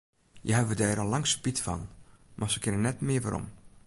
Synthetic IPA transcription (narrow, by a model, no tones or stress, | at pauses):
jəɦɛbʋədɛːɾɔlˠːɑŋspitfɑ̰nmʔasəkʰɪnənːɛtmɪəʋaɾɔ̰m